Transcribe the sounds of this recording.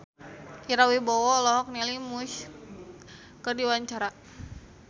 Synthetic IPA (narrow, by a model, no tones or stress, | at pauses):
iɾawibɔwɔlɔɦɔk̚nilimuʃ | kərdiwaɲt͡ʃaɾa